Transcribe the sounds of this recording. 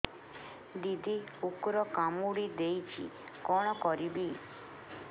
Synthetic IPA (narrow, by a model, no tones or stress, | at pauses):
d̪id̪ʱiukɾɔkamuɽid̪ejt͡ʃʰḭ | kɔɽ̃ɔkɔɾibi